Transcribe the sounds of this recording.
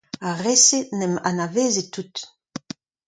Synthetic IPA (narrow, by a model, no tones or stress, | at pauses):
aʁesenɛma̰naveːzet̪ːut̪